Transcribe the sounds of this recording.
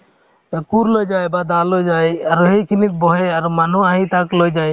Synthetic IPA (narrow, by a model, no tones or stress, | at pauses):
kuɾlojd͡ʒajbad̪alojd͡ʒajaɾɦejkʰinit̪̚bɔɦeaɾumanuaɦĩt̪aklojd͡ʒaj